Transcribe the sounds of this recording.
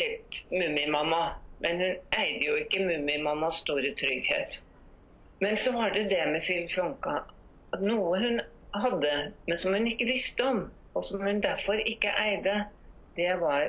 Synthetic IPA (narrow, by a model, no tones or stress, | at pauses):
ɛlt̪mʉmɪmɑmːɑmʔɛnhʉnæɪd̪əjʊɪkːəmʉmɪmɑmːɑsst̪uːɾət̪ʰɾʏɡhḛːt̪ | mɛnsɔʋɑɖɛd̪ɛmɛfɪlfɾɔŋkɑ | ɑt̪nuːəhʉn | ɦɑd̪ːəmɛnsɔmhʉnɪkːəʋɪst̪əɔm | ɔsɔmhʉnd̪æɾfɔɾɪkːəʔæɪd̪ə | d̪ɛʋɑɾ